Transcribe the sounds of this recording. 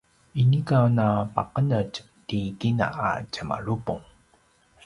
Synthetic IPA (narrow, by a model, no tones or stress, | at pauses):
inikanapaqənəc | tikina̰ʔa̰cəma̰ɭupuŋ